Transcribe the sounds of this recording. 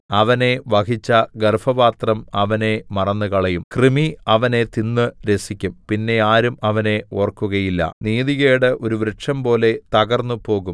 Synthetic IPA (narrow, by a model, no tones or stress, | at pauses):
ɐʋɐne̞ʋɐkit͡ɕːɐɡɐrfɐbaːt̪rɐmɐʋɐne̞mɐrɐnːukɐɭɐjumkrimiɐʋɐne̞t̪inːɨɾe̞sikʲːumpinːe̞aːɾumɐʋɐne̞o̞ːrkːuɣɐjilːɐ̰niːðiɣeːɽɨʔo̞ɾuʋɾɐʈʂɐmpo̞ːle̞t̪ɐɣɐrnːupo̞ːɣum